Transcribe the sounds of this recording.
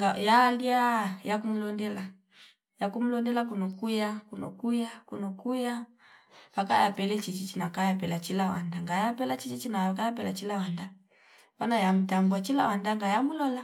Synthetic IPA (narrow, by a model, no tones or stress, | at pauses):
ɡajaliajakumulɔndɛla | jakumulɔndɛlakunɔkujakunɔ̰kujakunɔkuja | pakajapɛlɛt͡ʃit͡ʃit͡ʃinakajapɛlat͡ʃilawandaŋɡajapɛlat͡ʃit͡ʃit͡ʃinakajapɛlat͡ʃilawanda | banajam̩tambwat͡ʃilawandaŋɡajamulɔla